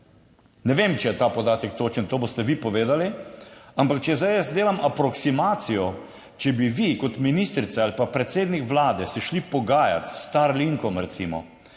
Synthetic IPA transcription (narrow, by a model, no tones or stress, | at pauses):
nɛʋemt͡ʃɛjɛt̪aːpɔd̪aːt̪ɛk̚t̪oːt͡ʃənt̪oːbost̪ɛʋipɔʋeːd̪aliampakt͡ʃɛzajəsd̪eːlamʔapɾɔksimaːt̪sijɔ | t͡ʃɛbiʋikɔt̪minist̪ɾit̪saalipapɾɛt̪seːd̪nikʋlaːd̪ɛsɛʃlipɔɡaːja̰t̪st̪aɾliŋkɔmɾɛt̪sḭmɔ̰